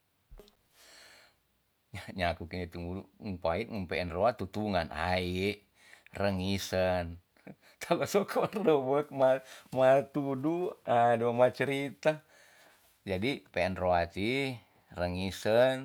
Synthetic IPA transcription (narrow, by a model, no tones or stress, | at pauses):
ɲaɲakukiɲit̪uŋuŋpait̪̚ŋuŋpɛɛnroat̪ut̪uŋanʔa̰iʔ | rəŋisən | t̪ʰabasokʰɔrdəbək̚mamat̪uduadoamat͡ʃəɾit̪a | d͡ʒadipɛɛnroat̪i | rəŋisən